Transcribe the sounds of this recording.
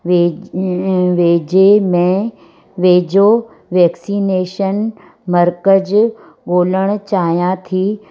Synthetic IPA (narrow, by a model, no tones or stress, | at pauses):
ʋe | ʋeːd͡ʑemẽ | ʋeːd͡ʑo | ʋɛːksiːneːʃən | mɐɾkəd͡ʑ | ɡoːləɽ̃ʊt͡ɕaːɦijãt̪ʰiː